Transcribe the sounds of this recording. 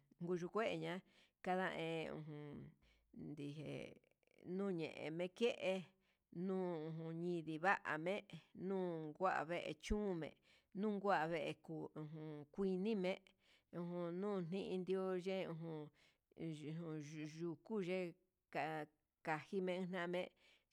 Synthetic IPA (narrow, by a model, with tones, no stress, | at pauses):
ŋɡu˧ʒu˧kʷe˦ʔe˧ɲã˦ | ka˧ðã˧ʔẽ˧ṵ̃˧ɦũ˧ | nd̪i˨ɦḛ˨ | nũː˦˨ɲḛ̃˨ʔḛ̃˨mẽ˧˦ke˦ʔe˧ | nũː˦ũ˧ɦũ˧ɲĩ˧ði˧βa˦ʔa̰˨mẽ˦nũː˦ŋɡʷa˦ʔa̰˨βe˦˧ʔe˧t͡ʃũː˦˧mḛ̃˨ | nũː˦ŋɡʷa˦ʔa˨βe˧ʔe˧ku˨ũ˧ɦũ˧kʷi˧nĩ˦mẽ˦ | ũ˧ɦũ˧nũː˦˨n̥ĩ˦ʔĩ˧nd̪i˦o˦ʒe˦ũ˧ɦũ˧ | ũ˧ʒu˧ku˦ʒe˦ | ka˨ | ka˨hi˦mẽ˧ɨ̃˦n̥nã˦˧mẽ˦